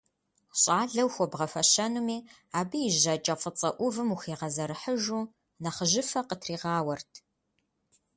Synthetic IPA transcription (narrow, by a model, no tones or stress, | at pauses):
ɕʼaːɮɐwxʷɔbʁɐfɐʃɐnumiː | aːbɨjɪʒɐt͡ʃʼɐfʼət͡sʼɐʔʷʊvɨmuxiːʁɐzɐɾɨħəʒuː | nɐχəʒɪfɐqətʰriːʁɑːwɐrtʰ